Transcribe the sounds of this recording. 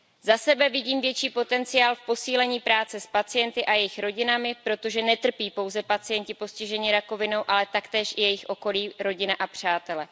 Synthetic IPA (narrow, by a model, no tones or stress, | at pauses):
zasɛbɛvɪɟiːmvjɛt͡ʃiːpo̞t̪ɛnt͡sɪjaːlfpo̞siːlɛɲiːpɾaːt͡sɛspat͡sɪjɛnt̪ɪʔajɛjɪxɾo̞ɟɪnamɪpɾo̞t̪o̞ʒɛnɛt̪r̩piːpo̞wzɛpat͡sɪjɛɲcɪpo̞scɪʒɛɲiɾako̞vɪno̞wʔalɛt̪akt̪ɛːʃʔɪjɛjɪxʔo̞ko̞liːɾo̞ɟɪnaʔapr̝̥aːt̪ɛlɛ